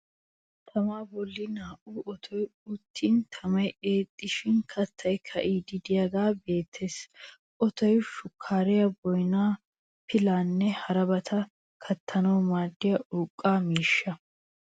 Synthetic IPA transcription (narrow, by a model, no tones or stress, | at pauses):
t̪ʰɐmaːbɔlːɪnaːʔuːʔɔt̪ʰɔjʊt̪ʰːint̪ʰɐmɐje̞ːt̪ʼːɪʃɪnkʰɐt̪ʰːɐjkʰɐʔiːd̪ɪd̪ɪjɐɡaːbe̞ːt̪ʰːe̞ːs | ʔɔt̪ʰɔjʊʃʊkʰːaːɾɪjɐbɔjnaː | pɪlaːnːɛhɐɾɐbɐt̪ʰɐ | kʰɐt̪ʰːɐnɐwmaːd̪ːɪjɐʔuːkʼːaːmiːʃːɐ